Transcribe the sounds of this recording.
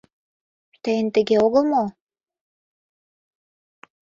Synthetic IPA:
t̪ejənt̪ə̆ɣeoɣəlˠmo

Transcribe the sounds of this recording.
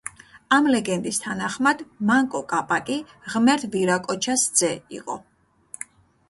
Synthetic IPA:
amlɛɡɛnd̪ist̪ʰanaχmad̪̥maŋkʼɔkʼapʼakʼi | ʁmɛɾt̪ʰviɾakʼɔt͡ʃʰasd̪z̥ɛḭqʼɔ̰

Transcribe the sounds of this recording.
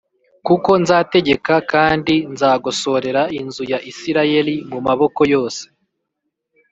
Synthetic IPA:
kuko̞nzaːte̞ɟe̞kakaːndinzaːɡoso̞ɾe̞ɾainzujaʔisiɾaje̞ɾimumaβo̞ko̞jo̞ːse̥

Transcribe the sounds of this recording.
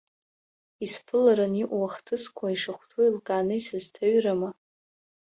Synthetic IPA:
ispʰɨlaɾaniʔʷwaχtʰɨskʷʰaiʂaχʷtʰuilkʼanɨisɨztʰaɥrama

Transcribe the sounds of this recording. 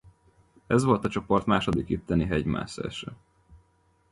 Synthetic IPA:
ɛzʋo̞lt̪ɒt͡ʃo̞po̞rt̪maːʃo̞d̪ikyt̪ːɛniɦɛɟma̰ːsɛ̰ɛʃøː

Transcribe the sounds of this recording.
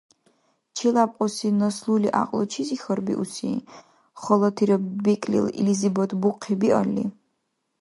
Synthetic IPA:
t͡ʃʰilapʼqʼɔsinɐsluliʔa̰qʼlɔt͡ʃʰizixərbḭʔusḭ | χɔlˠɔt̪ʰiɾɛbikʼlḭlḭlizibɔt̪ʰbuqʰibiʔɔ̰lːḭ

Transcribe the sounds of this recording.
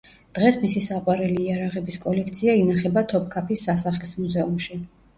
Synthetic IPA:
d̪̥ʁɛsmisisaqʼwaɾɛliːaɾaʁɛbiskʼɔlɛkʰt̪sʰiainaχɛbat̪ʰɔp̚ʰkʰapʰisːasaχlismuzɛumʃi

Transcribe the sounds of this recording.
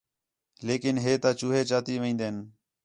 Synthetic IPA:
leːkɪnɦeːt̪ãːt͡ʃuːɦeːt͡ʃaːt̪iːʋẽːnd̪eːn

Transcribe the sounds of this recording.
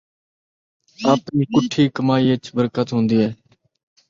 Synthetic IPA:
aːpniːkʊʈʰiːkəmaːiːət͡ʃbəɾkət̪ɦõːnd̪iːɦɛː

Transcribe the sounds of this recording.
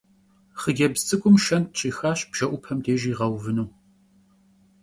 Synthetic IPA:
χəɡʲɛbzt͡sʼɨkʷʼʊmʃɐntɕʼiːxaːɕb̥ʒ̥ɐʔʷʊpʰɐmdeːʒiːʁɐwvɨnuː

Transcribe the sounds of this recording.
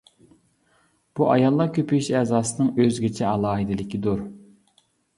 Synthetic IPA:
b̥uʔɑ̰jɑlˠːɑkʲʰøpʰyyʃɛːzɑːsɨnɨŋøzɡʲɪt͡ʃʰɛɑlˠɑːɦid̪ɪlɪkʲid̪uɾ

